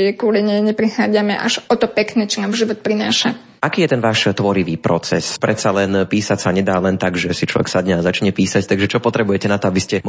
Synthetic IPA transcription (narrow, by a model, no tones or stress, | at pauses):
jɛkɔliɲɛɲɛpɾixaːd͡zamɛʔa̰ʒʔɔt̪ɔpɛknɛːt͡ʃɔnaːmʒiʋɔt̪̚pɾinaːʃa | akiːjɛt̪ɛnʋaːʃt̪ʋɔɾiʋiːpɾɔt͡sɛspɾɛt̪salɛnpiːsacsaɲɛd̪aːlɛnt̪aɡʒɛsit͡ʃlɔ̰ʋɛ̰ksad̪ɲɛazat͡ʃɲɛpiːsact̪aɡʒɛt͡ʃɔpɔt̪ɾɛbujɛcɛnat̪ɔabiscɛm